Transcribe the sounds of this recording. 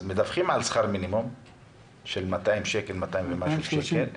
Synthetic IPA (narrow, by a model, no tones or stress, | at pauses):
zmed̪afχimʕalsχaɾminimom | ʃelmat̪aimʃekelmat̪aimvemaʃuʃekel